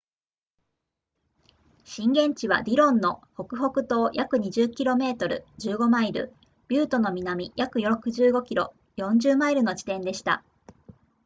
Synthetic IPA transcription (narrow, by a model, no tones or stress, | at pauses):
ɕĩŋɡẽ̞ɲ̟t͡ɕiβ̞a̰d̪ʲiɾõ̞nːo̞ho̞kɯ̟ɦo̞kɯ̟t̪o̞ːjʔakɯ̟ɲ̟iʑɨkʲiɾo̞me̞ːt̪o̞ɾɯ̟̰d͡ʑɨːɡo̞maiɾɯ̟̰ | b̥ʲɯːt̪o̞no̞mʲinamʲijakɯ̟jokɯ̟ʑɨːɡo̞kʲiɾo̞ | jõ̞ɲd͡ʑɨːmaiɾɯ̟no̞d͡ʑi̥t̪ẽ̞nd̪e̞ɕi̥t̪a̰